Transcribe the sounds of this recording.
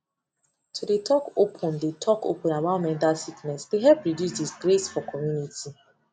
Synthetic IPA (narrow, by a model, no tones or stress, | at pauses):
tʰudetʰɔkopʰɔ̃ndetʰɔko̰pɔ̃namãʊ̃nmɛ̃ntasiknɛsdeɦɛlpɹidjusdisɡɾesfɔkʰɔmjunitʰi